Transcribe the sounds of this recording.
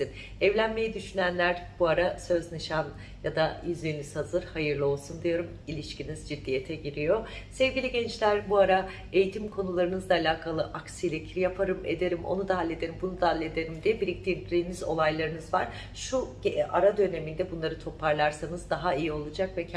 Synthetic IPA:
in | ɛvlʲænme̞jɛd̪yʃynænlʲæɾb̥uaɾasø̞znɯʃan | jad̪ajyzlʲijnyz̥hazɯɾhajɯɾlˠɯo̞lˠsund̪ijo̞ɾum | ilʲiʃcinizd͡ʒid̪ːijet̪ʰɛɟiɾijo̞sɛvɟʲilʲiɟɛnt͡ʃlʲæɾbuaɾa | ejit̪ʰimkʰo̞nulˠaɾɯnɯzd̪aːlʲaːkʰalˠɯʔaksijlʲɛcʰiɾijapʰaɾɯmḛd̪eɾimʔo̞̰nud̪aɦalʲːe̞d̪e̞ɾimbunud̪aɦalʲːe̞d̪e̞ɾimd̪ijɛbiɾiclʲinʲiːnizo̞̰lˠajlˠaɾɯnɯzvaɾ̥ | ʃu | aɾad̪ø̞ne̞mind̪ɛbunlˠaɾɯt̪ʰo̞pʰaɾlˠaɾsanɯzd̪aɦaijio̞lˠud͡ʒakvɛcʰ

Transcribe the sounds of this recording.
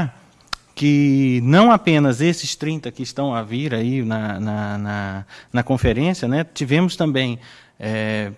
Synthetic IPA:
kɪnɐ̃w̃apẽnɐzesɪst̪ɾĩnt̪ɐkɪːst̪ɐ̃w̃aviɾainɐnɐnɐnɐkõfeɾẽsjɐnɛt͡ʃivẽmʊst̪ɐ̃mbẽj̃ | ɛ

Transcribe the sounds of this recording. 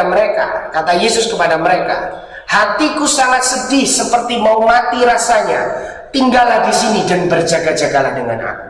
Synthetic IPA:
aməɾekakat̪ajesʊskəpadaməɾeka̰ | hat̪ikusaŋat̪̚sədɪhsəpərt̪imaumat̪iɾasaɲa | t̪iŋɡalahdisinidanbərd͡ʒaɡad͡ʒaɡalahdəŋa̰na̰ku

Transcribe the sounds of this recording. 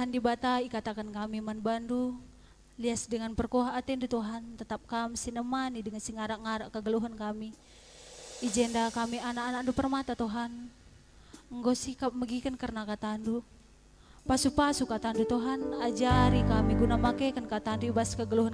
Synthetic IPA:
t̪ɦandibat̪aikat̪akankamimanbandu | liasdəŋanpərkoɦaʔːt̪ɛndut̪uɦant̪ət̪ap̚kamsinəmanidəŋansiŋaɾaʔŋaɾaʔkəɡəluɦənkami | id͡ʒɛndakamianakanandupərmat̪at̪oɦan | əŋɡosikap̚məɡikankərnakat̪andu | pasupasukat̪andut̪uɦanad͡ʒaɾikamiɡunamakekankat̪anduibaskəɡəluɦən

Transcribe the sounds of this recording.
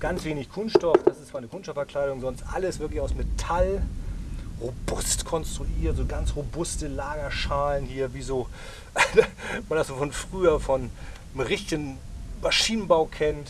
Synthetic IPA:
ɡ̥ant͡sv̥eːnɪçkʰʊnsʃtɔfd̥asɪstt͡sv̥aɐnəkʰʊnsʃtɔfɛɐkl̥aɪdʊŋzɔnstʔa̰ləsv̥ɪɐklɪçaʊsmetʰal | ʁobʊstkʰɔnstʁ̥uʔiːɐtz̥oːɡansʁobʊstəlaːɡɐʃaːlənhiːɐviːzoː | mandasz̥oːfɔnfʁ̥yːɐfɔn | ʁɪçtɪɡən | maʃiːnnbaʊkʰɛnt

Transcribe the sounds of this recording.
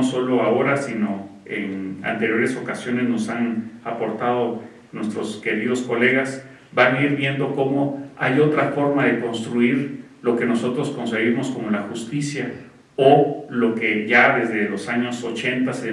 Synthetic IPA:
oso̞lo̞ao̞ɾasino̞ena̰nt̪e̞ɾjo̞ɾe̞so̞kasjo̞ne̞zno̞sanapo̞ɾt̪að̞o̞ | nwe̞st̪ɾo̞ske̞ɾið̞o̞sko̞le̞ɣas | banaiɾβje̞nd̪o̞ko̞mo̞a̰jo̞t̪ɾafo̞ɾmaðe̞ko̞nst̪ɾuiɾ | lo̞ke̞no̞so̞t̪ɾo̞sko̞nseɣimo̞sko̞mo̞laxust̪isja | olo̞ke̞ʝaðe̞zðe̞lo̞saɲo̞so̞t͡ʃe̞nt̪ase

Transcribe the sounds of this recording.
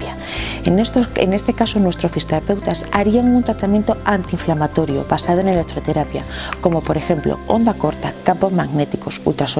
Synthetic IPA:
a | nsḛnest̪e̞kasonwe̞st̪ɾosfist̪eɾape̞wt̪asaɾiaŋunt̪ɾat̪amjent̪oant̪iːɱflamat̪o̞ɾjo̰βasað̞oenelek̚t̪ɾot̪eɾapja | ko̞mopoɾe̞xe̞mplo̰o̰nd̪ako̞ɾt̪akampo̞zmaɣnet̪ikosṵlt̪ɾaso

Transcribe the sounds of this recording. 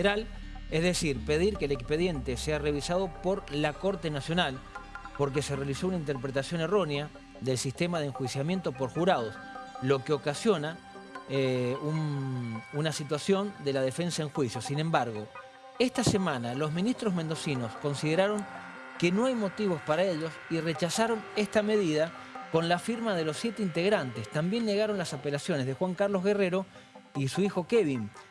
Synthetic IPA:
eɾalezðe̞siɾpe̞ð̞iɾkeːlekspe̞ðje̞nt̪e̞seare̞βisað̞o̞po̞ɾlako̞ɾt̪e̞nasjonalpo̞ɾk̬e̞serealiso̞unaint̪eɾpɾet̪asjo̞ne̞ro̞nea | d̪e̞lsist̪e̞maðeŋxwisjamje̞nt̪opo̞ɾxuɾað̞o̞s | lo̞keo̞kasjo̞na | un | unasit̪̬wasjo̞nd̪elað̞e̞fe̞nsaeŋxwisjo̞sinẽ̞mbaɾɣo̞ | est̪asemãnalo̞zmĩnist̪ɾozmend̪o̞sino̞sko̞nsið̞e̞ɾaɾo̞ŋ | ke̞no̞ajmo̞t̪iβo̞spaɾae̞ʎo̞siret͡ʃasaɾo̞nest̪ame̞ðiða | ko̞nlafiɾmaðe̞lo̞sːje̞t̪eint̪e̞ɣɾant̪est̪ambje̞nːeɣaɾo̞nlasape̞lasjo̞nezðe̞xwaŋkaɾlo̞zɣe̞re̞ɾo̞ | isuixo̞keβin

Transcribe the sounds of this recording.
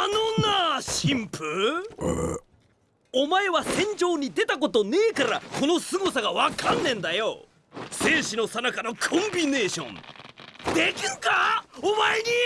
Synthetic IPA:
anonaɕĩmpɯ | o̞mae̞βasẽ̞ɲ̟d͡ʑo̞ːɲ̟id̪e̞t̪ak̬o̞t̪o̞ne̞ːkaɾa̰ko̞no̞sɨɡosaɡaβakʰãnːẽ̞nd̪ajo̰ | sẽ̞ːɕino̞sanakanokʰõ̞mbʲine̞ːɕõ̞̰n | d̪e̞kʲiɾɯkaomaeɲi

